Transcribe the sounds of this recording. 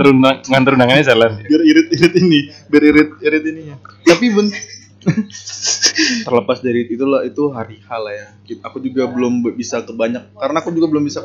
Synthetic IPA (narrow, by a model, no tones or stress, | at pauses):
əɾunaŋant̪əɾunaŋanɛsalanbəriɾɪt̪̚iɾɪt̪inibəɾiɾɪt̪̚iɾɪt̪inijat̪apibən | t̪ərləpasdaɾiit̪ulahit̪uɦaɾihalajakakud͡ʒuɡabəlʊmbisakəbaɲak̚ːaɾənaːkud͡ʒuɡabəlʊmbisa